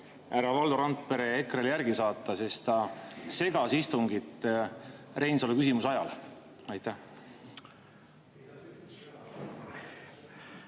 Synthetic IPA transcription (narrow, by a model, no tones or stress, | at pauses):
æɾɑvɑld̪oɾɑnt̪̚ˑpe̞ɾeekreljærɡ̥isɑːt̪ˑːɑse̞st̪ɑse̞ɡ̥ɑsist̪uŋɡit̪ː | re̞jnsolekysimusɑjɑl | ɑjt̪ˑæh